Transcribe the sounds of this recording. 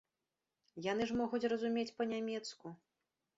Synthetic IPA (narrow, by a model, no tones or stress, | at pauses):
janɨʐmɔɣut͡sʲrɐzumʲet͡sʲpɐnʲamʲɛt̪sku